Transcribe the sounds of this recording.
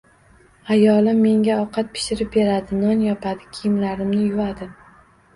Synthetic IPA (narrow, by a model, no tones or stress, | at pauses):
ajɒlɪmːe̞ŋɡʲaɒqʰɑt̪̚pʰɪ̥ʃɪɾɪp̚be̞ɾad̪ɪnɒnjɒpʰad̪ɪkʲʰɪjɪmlaɾɪmnɪjʊad̪ɪ